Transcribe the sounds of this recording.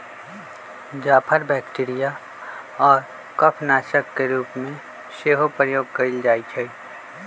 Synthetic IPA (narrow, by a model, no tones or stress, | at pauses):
d͡ʒaːpʰəɾbɛːkʈiɾija | ɔːɾ | kəpʰnaːʃəkːeɾuːpmẽ | seːɦopɾəjoːɡ̚kəɾild͡ʒaːit͡ʃʰəi